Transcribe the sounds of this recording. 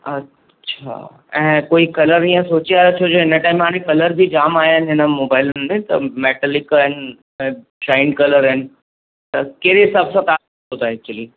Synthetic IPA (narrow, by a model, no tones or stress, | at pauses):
ɐ | ʃʰa̰ | ɛ̃ːkoːikɐləɾiãsoːt͡ɕijaɾɐt͡ʃʰoːd͡ʒoɦɪnəʈaːɪmɦaːɽ̃ẽkɐləɾbʱid͡ʒaːmaːjaɦɪnɦɪnəmoːbaːɪləmẽt̪ɐ̰mɛːʈəlɪkɦɪnɪ | ɛ̃ | ʃaːɪnɖkɐləɾɦɪnɪ̆ | t̪ɐkeːɾesɐbsãt̪aː | ɦoːt̪aɛːk̚t͡ʃuəliː